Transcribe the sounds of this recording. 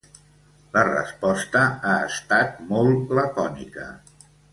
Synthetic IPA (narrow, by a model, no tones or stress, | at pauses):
lərə̰spɔst̪əaəst̪at̪̚mɔlˠləkɔnḭkə̰